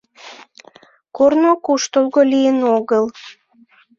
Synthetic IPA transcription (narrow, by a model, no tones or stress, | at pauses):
kornokuʃt̪olɣolijənoɣəl